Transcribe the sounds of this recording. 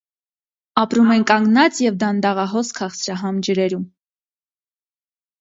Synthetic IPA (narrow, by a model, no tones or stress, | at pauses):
ɑpɾumɛnkɑŋɡnɑt͡sjɛvd̪ɑnd̪ɑʁɑɦɔskʰɑχsɾɑɦɑmd͡ʒəɾɛɾum